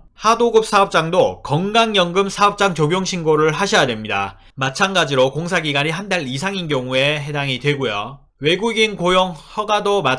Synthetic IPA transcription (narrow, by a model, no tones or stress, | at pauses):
hadoɡɯp̚s͈ʰaʌp̚t͡ɕ͈aŋdokʌŋɡaŋjʌŋɡɯmsʰaʌp̚t͡ɕ͈aŋt͡ɕoɡjoŋɕʰinɡoɾɯɭɦaɕʰijade̞mɲida̰ | mat͡ɕʰanɡad͡ʑiɾokoŋs̬ʰaɡiɡaɾiɦandaɭisʰaŋinɡjʌŋue̞ɦe̞daŋidwe̞ɡojo̰ | we̞ɡuɡinkojʌŋhʌɡadoma